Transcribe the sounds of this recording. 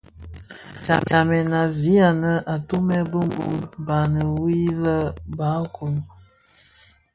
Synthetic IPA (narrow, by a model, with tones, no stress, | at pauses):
t͡ʃa̰˨t͡ʃa˨mɛ˨na˨zi˦a˨nə˦ʔa˨tu˦mɛ˦bə˦m˦bṵ˦ba˨nə˨wi˦lə˦ba˨˦ku˨l